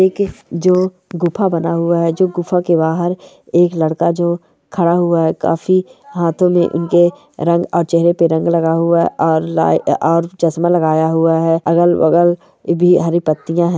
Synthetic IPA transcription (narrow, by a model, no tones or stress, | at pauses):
eːkd͡ʒoː | ɡʊpʰabɐnaɦʊaɦɛd͡ʒoːɡʊpʰakebaːɦəɾ | eːklɐɽkad͡ʒoː | kʰɐɽaɦʊaɦɛka̰ːfiɦaːt̪ʰõmẽʔʊ̰nke | ɾɐ̃ŋɡɔːɾt͡ʃɛɦɾepeɾɐ̃ŋɡlɐɡaɦʊaɔːɾla̰ːɔːɾd͡ʒɐsmalɐɡaːjaɦʊaɦɛɐɡəlwɐ̰ɡəl | bʱiɦɐɾipət̪ːijãɦɛ̃ː